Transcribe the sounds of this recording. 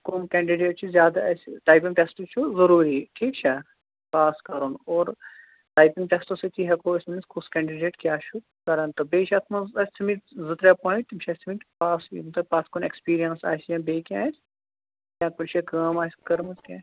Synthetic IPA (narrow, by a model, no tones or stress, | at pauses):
konkɛ̃ːɳɖiɖeːʈ̚t͡ʃʰuzʲjaːd̪aɐsʈaːjpiŋʈesʈut͡ʃʰuzɐɾuːɾiʈʰiːk̚t͡ʃʰɛ | paːskɐɾunoːɾ | ʈaːjpiŋʈesʈosit̪ʰiɦɛkoːɪsmĩnskʰuskɛ̃ːɳɖiɖeːʈkjaːt͡ʃʰu | kɐɾɐnt̪obeːt͡ʃʰɐt̪ʰmɐzɐst̪ʰimit̪zɨt̪ɾepõːĩʈ̪imt͡ʃʰɐst̪ʰimipaːsḭmt̪ɐpaːskonekspiːɾijɐnsa̰ːsjãːbeːkʲjãːs | jãːkʊlt͡ʃʰekɐːmaːskɐɾmɐzkʲãː